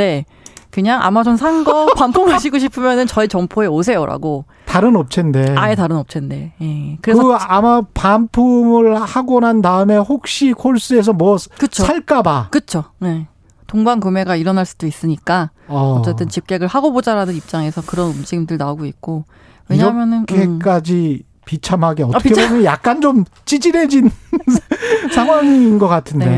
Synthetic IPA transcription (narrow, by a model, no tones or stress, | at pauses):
e̞ | kɯɲaŋʔa̰mad͡ʑomsʰaŋɡʌpampʰumɯɭɕʰiɡoɕʰipʰɯmjʌnɯnt͡ɕʌit͡ɕʌmpʰoe̞os̬ʰe̞joɾa̰ɡo | taɾɯnʌp̚t͡ɕʰende̞aetaɾɯnʌp̚t͡ɕʰende̞je̞kɯɾe̞ksɯamapampʰumɯɭhaɡonandaɯme̞hok̚ɕ͈ikʰoɭs͈ɯe̞s̬ʰʌmwʌkɯt͡ɕʰoaɭk͈abakɯt͡ɕʰone̞ | toŋbankɯme̞ɡaiɾʌnaɭs͈u̥d̥ois͈ɯɲik͈a | ʌʌt͡ɕ͈e̞t͈ɯnt͡ɕip̚k͈e̞ɡɯɭhaɡobod͡ʑaɾanɯnip̚t͡ɕ͈aŋe̞sʰʌkɯɾʌnɯmd͡ʑimdɯɭnaoɡoik̚k͈o | weɲɾʌmjʌnɯnkʰek͈ad͡ʑi | pit͡ɕʰamɦaɡeʌtʌkʰeboɲʌnjak̚k͈ant͡ɕom | t͡ɕ͈id͡ʑine̞d͡ʑin | sʰaŋɦwaŋinɡʌk͈atʰɯnde̞